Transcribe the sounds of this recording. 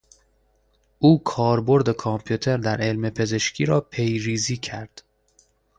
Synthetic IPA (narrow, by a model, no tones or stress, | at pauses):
ʔuːkʰɒːɾbo̞ɾd̪e̞kʰɒmpʰjut̪ʰe̞ɾd̪æɾe̞lme̞pʰe̞ze̞ʃcʰiːɾɒːpʰe̞jɾiːziːcʰæɾd̪̥